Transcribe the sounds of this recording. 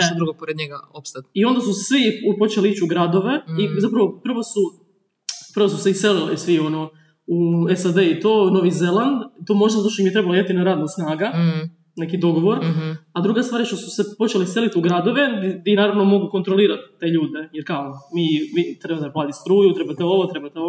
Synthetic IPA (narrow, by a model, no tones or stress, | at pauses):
t̪od̪ɾuɡopoɾed̪ɲeɡa̰opst̪at̪io̞nd̪asusʋipo̞t͡ʃeliit͡ɕuɡɾad̪o̞ʋe̞izapɾaʋo̞pr̩ʋosu | pɾ̩ʋos̬useise̞lilḭsʋio̞no | uesad̪eit̪o̞ːno̞ʋize̞lˠand̪t̪o̞ːmoʒd̪azat̪ot̪onimjt̪ɾe̞baloimat̪inaɾaːd̪nasnaːɡa | nekid̪o̞ɡo̞ʋo̞ɾad̪ɾuɡast̪ʋaːɾʃt̪osu̥sepo̞t͡ɕelise̞lit̪uɡɾad̪o̞ʋe̞d̪inaːɾaʋno̞mo̞ɡuko̞nt̪ɾoliːɾat̪t̪ːe̞ːʎuːd̪ejeɾkaomiːmit̪ɾebat̪eplaːd̪ist̪ɾuːjut̪ɾebat̪eo̞ʋot̪ɾe̞bat̪eo